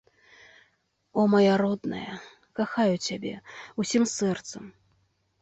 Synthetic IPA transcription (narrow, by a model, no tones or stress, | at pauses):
ɔmajaɾɔd̪nɐ̰jɐ | kaxajut͡sʲabʲɛ̰usʲimsɛrt̪sɐm